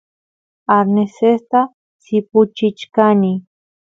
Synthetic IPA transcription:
aɾnesest̪a | sipʊt͡ʃɪt͡ʃkani

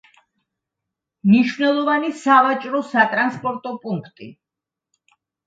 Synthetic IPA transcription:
mniʃvnɛlˠɔvanisavat͡ʃʼɾɔsat̪ʼɾanspʼɔɾt̪ʼɔpʼuŋkʰt̪ʼḭ

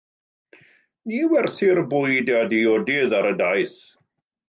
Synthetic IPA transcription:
niːwɛrθɪrbʊjdadiɔdɪðaɾədajθ

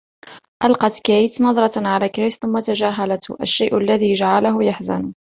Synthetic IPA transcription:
ʔalqɑt̪kajt̪nɑðˤɾˤɑʕalaːkɾɪsθʊmːat̪aʒæːɦalat̪ʔa̰ʃːajʔʊlːæðiːʒaʕalaɦʊjaħzan

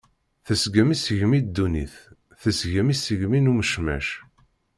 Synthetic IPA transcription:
θəsɡəmisəʝmid̪ːunḭθ | θəsʝəmisəʝminuməʃmæ̰ʃ

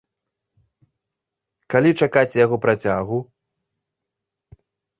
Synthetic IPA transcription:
kalʲit͡ʂakat͡sʲjaɣɔpɾat͡sʲaɣu

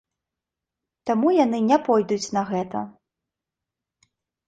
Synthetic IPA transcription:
t̪amujanɨnʲɛpɔjd̪ut͡sʲnɐɣɛt̪ɐ̰

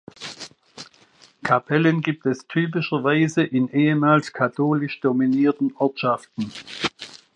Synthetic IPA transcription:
kʰapʰɛlənɡiːp̚tɛstʰyːp̬ɪʃɐvaɪzəʔɪnʔeːəmaːlskʰatʰoːlɪʃd̥ominiːɐtn̩ʔɔɐtʃaftn̩

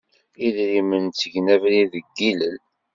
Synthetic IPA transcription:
iðɾimənt͡sːəʝnævɾiðəɡːiləl

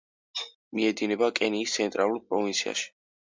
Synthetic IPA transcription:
miɛd̪inɛbakʼɛniːst̪sʰɛnt̪ʼɾalˠuɾpʼɾɔvint̪sʰia̰ʃi̥

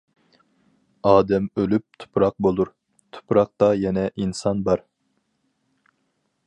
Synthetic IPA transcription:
ɑːd̪ɛmølyp̚t̪ʰu̥pɾɑq̚bolˠuɾ | t̪ʰu̥pɾɑq̚t̪ɑjɛnɛʔinsɑnbɑɾ

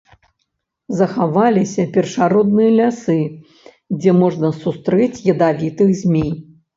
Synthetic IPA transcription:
zɐxavalʲisʲɐpʲɛrʂaɾɔd̪̚nɨjɐlʲasɨ | d͡zʲɛmɔʐnɐsust̪ɾɛt͡sʲjɐd̪avʲit̪ɨxzʲmʲej

